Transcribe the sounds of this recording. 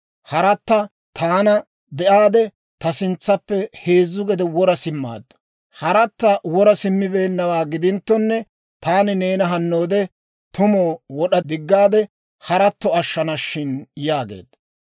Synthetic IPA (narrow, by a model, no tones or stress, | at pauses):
hɐɾɐt̪ːɐ | t̪ʰaːnɐ | bɛʔaːd̪ɛ | t̪ɐsɪnt͡sːɐpːɛhe̞ːzːʊɡɛd̪ɛwɔɾɐsɪmːa̰ːd̪ːɐ | hɐɾɐt̪ːɐwɔɾɐsɪmːɪbe̞ːnːɐwaːɡɪd̪ɪnt̪ːɔnːɛ | t̪aːnɪne̞ːnɐɦɐnːo̞ːd̪ɛ | t̪ʊmoːwɔɗɐd̪ɪɡːaːd̪ɛ | hɐɾɐt̪ːɔɐʃːɐnɐʃːɪnjaːɡḛːd̪ɐ